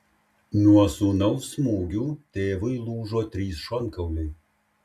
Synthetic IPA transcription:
nuɔsunɐʊfsmuːɡʲuːt̪ʲeːʋɐɪlˠuːʒoːt̪ʲɾʲiːsʃɔŋˑkɐʊlʲɛɪ

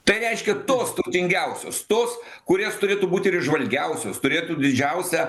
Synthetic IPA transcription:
t̪ɐɪɾʲɛɪʃʲkʲɛt̪oːst̪ɐʊt̪ʲɪŋʲɡʲɛʊsʲo̰ːst̪oːs | kʊɾʲeːst̪ʊɾʲeːt̪uːbuːt̪ʲɪɾɪʒʋɐlʲɡʲɛʊsʲoːst̪ʊɾʲeːt̪uːd̪ʲɪd͡ʒʲɛʊsʲɛ

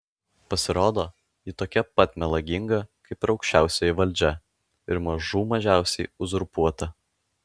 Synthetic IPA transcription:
pɐsʲɪɾoːd̪oː | jɪt̪oːkʲɛpɐt̪ʲmʲɛlˠɐɡʲɪŋɡɐkɐɪpɾɒʊkʲʃʲt͡ʃʲæˑʊsʲejɛʋɐlʲd͡ʒʲɛ | ɪɾmɐʒuːmɐʒʲæˑʊsʲɛɪʊzɾʊpuɔt̪ɐ

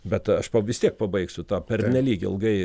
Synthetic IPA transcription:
bʲɛt̪ɐʃpɐʋʲɪst̪ʲiɛk̚pɐbɐɪksʲʊt̪ɑːpʲɛrʲnʲɛlʲiːɡʲɪɪ̰lˠɡɐɪ

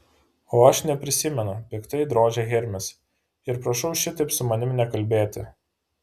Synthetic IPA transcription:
oːɐʃnʲɛpʲɾʲɪsʲɪmʲɛnʊpʲɪkt̪ɐɪd̪ɾoːd͡ʒʲɛɣʲɛɾʲmʲɪs | ɪɾpɾɐʃɐʊʃʲɪt̪ɐɪpsʊmɐnʲɪmnʲɛkɐlʲbʲeːt̪ʲɪ

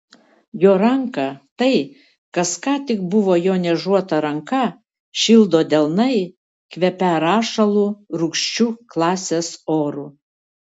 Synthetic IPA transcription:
joːɾɐŋkɐt̪ɐɪ | kɐskɑːt̪ʲɪk̚bʊʋoːjoːnʲɛʒuɔt̪ɐɾɐŋkɐ | ʃʲɪlˠd̪oːd̪ʲɛlˠnɐɪ | kʋʲɛpʲæɾɑːʃɐlˠuɾʊkʃʲt͡ʃʲuːklˠɑːsʲeːsoːɾuː

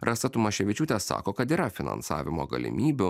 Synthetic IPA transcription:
ɾʔɐst̪ɐt̪ʊmɐʃʲɛʋʲɪt͡ʃʲuːt̪ʲɛsɑ̰ːkoːkɐt̪iːɾɐfʲɪnɐ̰nsɑ̰ːʋʲɪmo̰ːɡɐ̰lʲɪ̰mʲiːbʲʊ

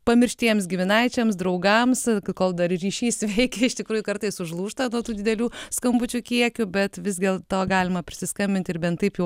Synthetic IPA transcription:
pɐmʲɪɾʲʃʲt̪ʲiɛmsɡʲɪmʲɪnɐɪt͡ʃʲɛmsd̪ɾɐʊɡɐmskoːlˠd̪ɐrrʲiːʃʲiːsʲʋʲɛɪkʲɛɪʃt̪ʲɪkɾuːjʊkɐɾt̪ɐɪsʊʒlˠuːʃt̪ɐnuɔt̪uːd̪ʲɪd̪ʲɛlʲuːskɐmbʊt͡ʃʲuːkʲiɛkʲʊbʲɛt̪ʋʲɪzɡʲeːlˠt̪oːɡɑːlʲɪmɐpʲɾʲɪsʲɪskɐmʲbʲɪnʲt̪ʲɪɾbʲɛnt̪tɐɪpjɛʊ

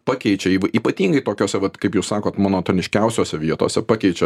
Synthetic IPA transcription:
pɑːkʲɛɪt͡ʃʲɛiʋɐʔiːpɐt̪ʲiːŋɡɐɪt̪oːkʲoːsʲɛʋɐt̪kɐɪpjuʊssɑːkoːt̪mɑːnoːt̪oːnʲɪʃʲkʲɛʊsʲoːsʲɛʋʲiɛt̪o̰ːsʲɛpɑːkʲɛɪt͡ʃʲɛ

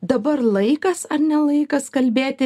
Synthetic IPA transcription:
d̪ɐbɐɾlˠɐɪkɐsɐɾnʲɛlˠɐɪkɐskɐlʲbʲeːt̪ʲɪ

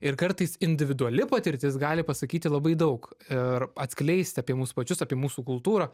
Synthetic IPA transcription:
ɪɾkɐɾt̪ɐɪsɪnʲd̪ʲɪʋʲɪd̪ʊɐlʲɪpɐt̪ʲɪɾʲt̪ʲɪs̬ɡɑːlʲɪpɐsɐkʲiːt̪ʲɪlˠɐbɐɪd̪ɐʊkɪɾɐt̪ʲsʲkʲlʲɛɪsʲt̪ʲɑːpʲiɛmuːspɐt͡ʃʲʊsɑːpʲiɛmuːsuːkʊlˠt̪uːɾɐː

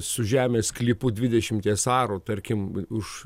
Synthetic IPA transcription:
sʊʒʲæːmʲeːsklʲiːpʊd̪ʲʋʲɪd̪ʲɛʃʲɪmt̪ʲiɛsɑːɾoːt̪ɐɾʲkʲɪmʊʃ

